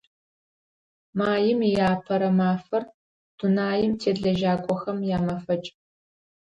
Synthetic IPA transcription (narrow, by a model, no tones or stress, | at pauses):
maːjɪmijaːpʰɐɾɐmaːfɐr | d̥unaːjɪmtʰeːɮɐʒaːkʷʼɔxɐmjaːmɐfɐt͡ʃʼ